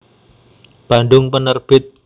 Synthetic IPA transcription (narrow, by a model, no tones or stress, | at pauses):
b̥a̤nɖ̪ʊŋpənərb̥ɪt̪̚